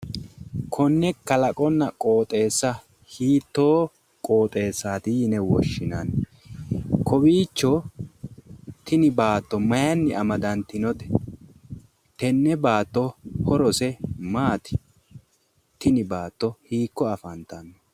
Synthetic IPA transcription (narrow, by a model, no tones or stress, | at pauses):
kʰɔnːɛkɐlɐkʼɔnːɐkʼo̞ːt̪ʼe̞ːsːɐ | hiːt̪ːo̞ː | kʼoːt̪ʼe̞ːsːaːt̪ɪjɪnɛwɔʃːɪnan | kʰɔbiːt͡ʃːɔ | t̪ɪnɪbaːt̪ːɔmɐjɐnːɪʔɐmɐd̪ɐnt̪ɪnɔt̪ɛ̥ | t̪ɛnːɛbaːt̪ːɔhɔɾɔsɛmaːt̪ɪ̥ | t̪ɪnɪbaːt̪ːɔhiːkːɔɐfɐnt̪ɐnː